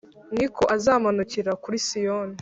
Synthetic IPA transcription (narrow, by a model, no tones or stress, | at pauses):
nikʰo̞ʔazaːmanuciɾakuɾisijoːne